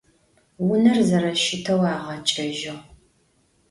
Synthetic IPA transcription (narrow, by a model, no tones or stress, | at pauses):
wʊnɐrzɐɾɐʃɪtʰɐwaːʁɐt͡ʃʼɐʒɪʁ